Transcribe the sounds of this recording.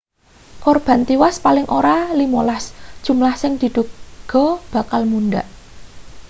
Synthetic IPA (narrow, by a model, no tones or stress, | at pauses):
kɔrb̥a̤nt̪iwaspalɪŋʔoɾalimolasd̥ʒ̥ṳmlahsɪŋd̪̥i̤d̪̥ṳɡ̥ɔ̤b̥a̤kalmunɖaʔ